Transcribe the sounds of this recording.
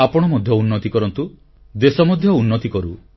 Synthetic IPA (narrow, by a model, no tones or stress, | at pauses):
apɔɽ̃ɔmɔd̪ʱjɔunːɔt̪ikɔɾɔnt̪u | d̪esɔmɔd̪ʱjɔunːɔt̪ikɔɾu